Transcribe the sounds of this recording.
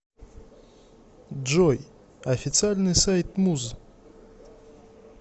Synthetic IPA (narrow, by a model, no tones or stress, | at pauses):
dʒoj | ɐfʲɪt̪sɨalʲnɨsajt̪muz